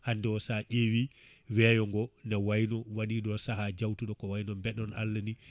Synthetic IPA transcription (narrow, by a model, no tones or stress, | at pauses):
handɛsaʔewiwɛːjɔŋɡɔnɛwajnɔwaɗiɗɔsaɦad͡ʒawtuɗɔkɔwajnɔmbɛɗɔna̰lːani